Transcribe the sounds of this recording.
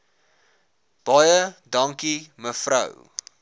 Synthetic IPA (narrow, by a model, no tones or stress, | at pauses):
b̥ɑjədɐŋkiməfrə̰w